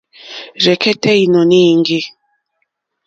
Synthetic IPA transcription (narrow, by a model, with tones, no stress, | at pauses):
ɾɛ˨kɛ˦tɛ˦i˨nɔ˨ni˦˨ŋɡi˦